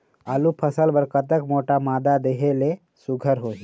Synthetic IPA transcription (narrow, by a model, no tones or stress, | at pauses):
aːlupʰəsəlbəɾkət̪əkmoːʈamaːd̪ad̪eɦele | sʊɡʱəɾɦoːɦi